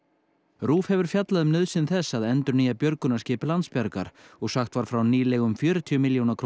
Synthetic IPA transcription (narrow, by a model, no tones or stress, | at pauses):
ɾuːfhɛvʏɾ̥fjat̪laðʏmnœðsɪnθɛsːaðɛnt̪ʏɾniːjapjœɾkʏnḁscɪːpɪlant̪spjaɾka̰ɾ̥ɔɣsaxt̪vaɾ̥fɾawniːlɛɣʏmfjʏːɾɪt̪ʰiʏmɪljownaɾkʰɾ